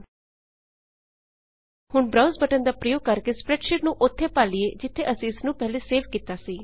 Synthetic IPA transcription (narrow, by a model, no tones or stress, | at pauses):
hʊɳbɾaʊnzbəʈənd̪aːpɾəjoːɡ̚kəɾkeːspɾɛːʈʃɪʈnũːʔʊt̪ʰːeːpaːlɪeːd͡ʒɪt̪ʰːeʔəsĩːɪsnũːpɛɦleːseːʋkiːt̪aːsiː